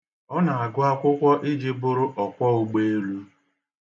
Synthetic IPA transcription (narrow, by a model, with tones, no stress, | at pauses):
ɔ˦na˨a˨ɡʊ˦a˦kʷʊ˦kʷɔ˦ʔɪ˦d͡ʒi˦bʊ˦ɾʊ˦ʔɔ˨kʷɔ˦u˨ɡ͡be˦e˦lu˦